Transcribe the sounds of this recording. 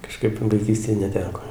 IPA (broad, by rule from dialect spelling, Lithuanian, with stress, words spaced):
kɐˈʃkɐɪp ʋɐɪˈkʲiːsʲtʲeːj nʲɛˈtʲæːkoː